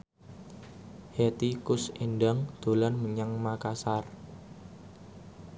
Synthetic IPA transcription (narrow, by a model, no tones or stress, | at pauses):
het̪ikʊsinɖaŋd̪̥o̤lanməɲaŋmakasar